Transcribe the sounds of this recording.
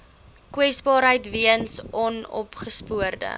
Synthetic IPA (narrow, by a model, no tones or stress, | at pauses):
kwɛsbɑːɾɦəjtviənsʔɔnɔ̰pχəspuərdə̰